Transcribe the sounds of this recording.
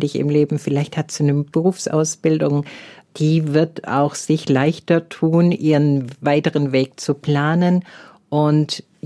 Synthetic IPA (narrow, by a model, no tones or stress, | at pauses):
dɪçɪ̰mleːbm̩fɪlaɪçthatz̥unəb̥əʁuːfsʔa̰ʊsb̥ɪldʊŋd̥iːvɪɐta̰ʊxz̥ɪçlaɪçtɐtʰuːnʔiːʁənvaɪtəʁənveːk̚t͡supl̥aːnən | ʔʊnt